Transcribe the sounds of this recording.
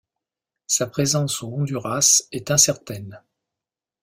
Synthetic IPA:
sapχezɑ̃soɔ̃d̪yʁasɛt̪ɛ̃sɛʁt̪ɛn

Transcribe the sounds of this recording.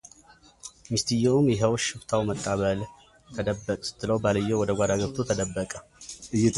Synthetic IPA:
mist̪ʰɨjːɛumjɛɦəwʃɪbt̪ʰawmət̪ʼːaβəl | t̪ʰəd̪əbːəkʼsɨ̥t̪ʰːɨləwbaləjːɛwɔd̪əɡʷad̪aɡəbt̪ʰot̪ʰəd̪əbːəkʼəɨjɛ

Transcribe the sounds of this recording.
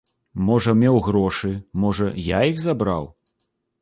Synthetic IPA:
mɔʐɐmʲɛwɣɾɔʂɨmɔʐɐjaiɣzabɾa̰w

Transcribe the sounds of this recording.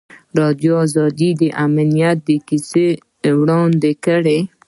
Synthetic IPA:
ɾɑd̪joazɑd̪id̪əʔamnijat̪̚d̪əkise | wɽɑnd̪ekəɽe

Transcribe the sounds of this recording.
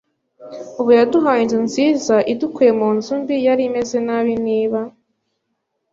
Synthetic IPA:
uβujaduɦaːɲɲzinziːzaʔidukuje̞muːnzumbijaɾime̞ze̞naβiniːβa

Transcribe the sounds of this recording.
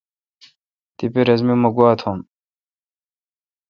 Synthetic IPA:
t̪ipiɾɐzmimɐɡwaːt̪ʰom

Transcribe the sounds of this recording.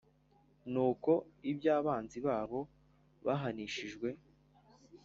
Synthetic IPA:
nuːko̞ibɟaːβaːnziβaːβo̞ | βaɦaniʃiʒɡwe̞

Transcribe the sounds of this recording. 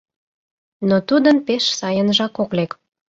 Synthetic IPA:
not̪ud̪ənpeʃsɑjənʒɑkoklek

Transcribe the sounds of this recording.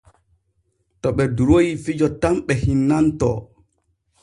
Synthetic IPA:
tɔɓɛduɾojifid͡ʒɔtamɓɛhinːantɔ̰

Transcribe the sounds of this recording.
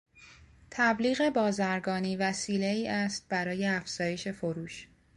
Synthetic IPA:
t̪ʰæbliːɣe̞bɒːzæɾɡɒːniːvæsiːle̞iːʔæst̪̚bæɾɒːje̞æfz̥ɒːje̞ʃe̞foɾuːʃ

